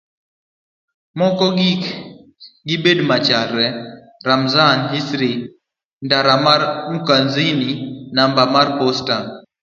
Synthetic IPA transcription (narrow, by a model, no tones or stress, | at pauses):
mɔkɔɡik | ɡibedmat͡ʃaɾɛ | ramzanɦisɾi | ndaɾamaɾmukanzininambamarposta